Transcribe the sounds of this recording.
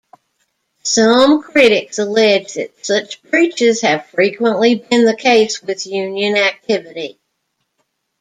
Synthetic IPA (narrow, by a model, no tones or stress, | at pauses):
sʌ̃mkʰɹ̥ɪɾɪksəlɛd͡ʒðɨ̰tsʌt͡ʃp̚ʰɹ̥it͡ʃɪz̥ɨv̥fɹikwə̃nʔlibɪ̃nðɨkʰeɪswɪðjʉ̃njɨ̃næk̚tʰɪvɨɾi